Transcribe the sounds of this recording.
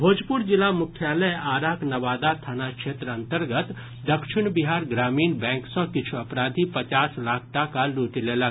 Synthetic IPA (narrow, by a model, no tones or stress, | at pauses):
bʱoːd͡ʒpʊɾd͡ʒɪlamʊkʰjaːləjaːɾaːknɐʋaːd̪at̪ʰanakʃeːt̪ɾəɐ̃nt̪əɾɡət̪ | d̪ɐkʃɪnbɪɦaːɾɡɾaːmiːnbɛ̃ːŋksɐ̃kɪt͡ʃʰuɐpɾaːd̪ʱipɐt͡ʃaːslaːk̚ʰʈakaluːʈ̪ileːlɐ